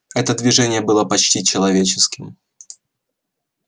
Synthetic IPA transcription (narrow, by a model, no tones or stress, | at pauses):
ɛt̪əd̪vʲɪʐɛnʲɪjəbɨlˠəpɐt͡ɕtʲit͡ɕɪlˠɐvʲet͡ɕɪskʲɪm